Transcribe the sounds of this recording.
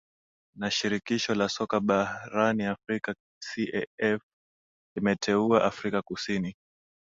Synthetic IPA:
naʃiɾikiʃɔlasɔkaɓaɾaniafɾika | siʔɛɛf | limɛtʰɛuaʔafɾikakusini

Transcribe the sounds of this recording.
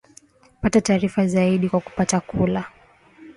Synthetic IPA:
patataːɾifazaiɗikwaku̥patakʰula

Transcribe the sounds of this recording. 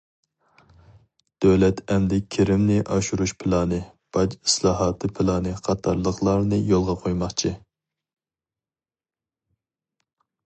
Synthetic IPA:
d̪̥øwlɛt̪ʰɛmd̪ɛkʲʰːeɾɪmnɪʔɑʃuɾuʃpʰɪlˠɑːnɨ | b̥ɑd͡ʒi̥slˠɑːɦɑːt̪ʰɨpʰɪlˠɑːnɨqʰɑt̪ʰɑɾlˠəqlˠɑɾnɨjolˠʁɑqʰojmɑχt͡ʃʰi

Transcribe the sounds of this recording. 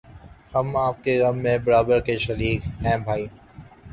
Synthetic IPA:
hɐmaːp̚keɣɐmːẽbɐɾaːbəɾkeʃɐɾiːkɦɛ̃ːbʱaːiː

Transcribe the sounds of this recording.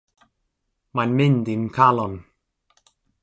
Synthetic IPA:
manmɪnd̪imkʰalɔn

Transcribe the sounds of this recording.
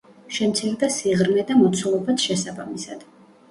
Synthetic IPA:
ʃɛmt̪sʰiɾd̪asiʁɾmɛd̪amɔt̪sʰulˠɔbat̪ʰʃɛsabamisad̪̥

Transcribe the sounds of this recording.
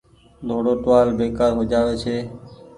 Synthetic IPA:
d̪ʱoːɽoːʈʋaːlbeːkaːɾɦod͡ʒaːʋeːt͡ʃʰeː

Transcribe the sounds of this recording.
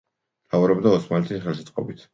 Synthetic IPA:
lauɾɔbd̪aɔsmalɛt̪ʰisχɛlsɛt̪sʼqʼɔ̰bit̪ʰ

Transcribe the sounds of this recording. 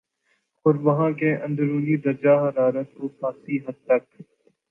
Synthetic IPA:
xʊɾʋɐɦãːkẽːʔə̃nd̪ɾuːniːd̪ɐɾd͡ʒaːɦɐɾaːɾət̪oːpʰãːsiːɦɐd̪̚t̪ɐk̚

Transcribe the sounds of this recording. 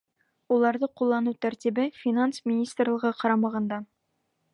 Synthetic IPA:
ulˠɑɾðɤqulˠːɑnut̪æɾt̪ʲibɘfʲinansmʲɪnʲist̪rlˠɤ̆ʁɤqɒɾɑmɑʁɑnd̪ɑ

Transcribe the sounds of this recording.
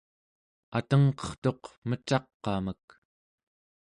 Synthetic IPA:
at̪əŋqʌ̥χt̪o̞qmət͡ʃɑqːɑmək̚

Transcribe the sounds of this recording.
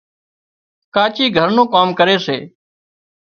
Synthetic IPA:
kaːt͡ʃiːɡʱəɾnũːkaːmkəɾeːsḛː

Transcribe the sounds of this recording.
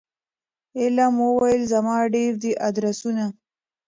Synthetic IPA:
ɪlamwəwajəlzamɑːɖeɾd̪iʔad̪ɾasuna

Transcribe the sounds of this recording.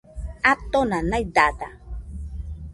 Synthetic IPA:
at̪onanajd̪at̪a

